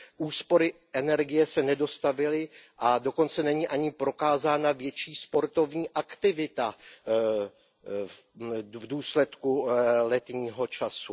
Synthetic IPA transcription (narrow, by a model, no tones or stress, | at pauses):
ʔuːspo̞ɾɪʔɛnɛɾɡɪjɛsɛnɛdo̞st̪avɪlɪʔado̞ko̞nt͡sɛnɛɲiːʔaɲɪpɾo̞kaːzaːnavjɛt͡ʃiːspo̞ɾt̪o̞vɲiːʔakt̪ɪvɪt̪a | vduːslɛt̪kulɛt̪ɲiːɦo̞t͡ʃasu